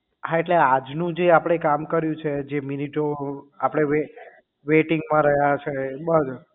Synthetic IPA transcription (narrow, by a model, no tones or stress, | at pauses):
ɦaeʈlead͡ʒnũd͡ʒeapəɽ̃ekamkəɾjũt͡ʃʰed͡ʒeminiʈoapɽ̃eʋe | ʋeʈiŋɡmãɾəɦjat͡ʃʰebəd͡ʒo